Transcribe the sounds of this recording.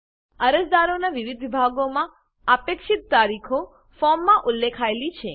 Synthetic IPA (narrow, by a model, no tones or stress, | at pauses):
əɾəd͡ʒd̪aɾonaʋiʋid̪ʱbʱaɡomã | apekʃit̪̚ːaɾikʰo | fɔɾmːãʔulːekʰaelit͡ʃʰe